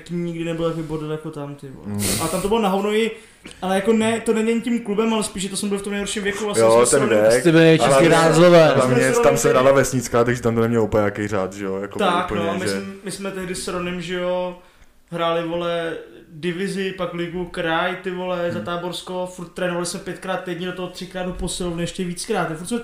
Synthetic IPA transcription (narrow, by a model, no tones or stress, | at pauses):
kimɲɪɡdɪnɛbɪlavɪbodljakot̪amt̪ɪvo̰l̰alɛt̪amt̪obɪlonaɦovnowɪ | ʔalɛjakonɛt̪onɛdɛɲicimklubɛmalɛspiːʃ̬ɛt̪osmɛbɪlɪft̪omnejɦoɾʃimvjɛkuvlajoɛt̪ɛnɛkt̪ɪbɪlɪnɪkɪɾaːzlovɛːt̪amɲɛt̪amsɛɦɾaːlavɛsɲɪt͡skaːt̪aɡʒɛt̪amt̪onɛmɲɛlupakejraːt̪ʒɛjojakot̪aknoamɪsɛmmɪsmɛt̪ɛɦdɪsɾonɛmʒɛjo̞ | ɦɾaːlɪvolɛdɪvɪzɪpaklɪɡukɾajt̪ɪvolɛzat̪aːboɾskofuɾt̪̚ːɾɛːnovalɪsmɛpjɛt̪kɾaːt̪ːɛjdɲɛdot̪oɦot̪r̥ɪkɾaːdopo̞sɪlovnɪɛʃcɛviːt͡skɾaːt̪afuɾt̪smɛ